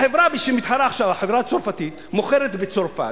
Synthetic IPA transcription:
ħevɾabiʃemit̪ħaɾaaχʃavaħevɾaːt͡soɾfat̪it̪moχeɾet̪bet͡soɾfa̰

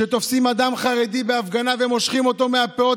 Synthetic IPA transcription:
et̪ofsimad̪amχaʁe̞d̪ibe̞afɡanavemo̞ʃχimo̞t̪o̞meapeo

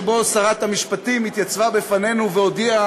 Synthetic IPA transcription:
bo̞saʁat̪hamiʃpat̪imit̪jat͡svabefane̞nuveod̪ia

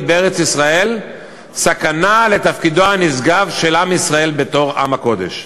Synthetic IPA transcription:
beeʁet͡sisʁae̞l | sakanale̞t̪afkid̪o̞hanizɡavʃe̞lamisʁae̞lbe̞t̪o̞ʁa̰mako̞d̪e̞̰ʃ

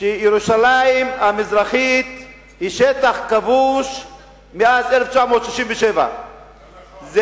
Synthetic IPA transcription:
ʃejeɾuʃalaimamizɾaχit̪ | hiʃet̪aχkavuʃ | measeleft͡ʃamo̞ːt̪ʃiʃimveʃeva̰ | z

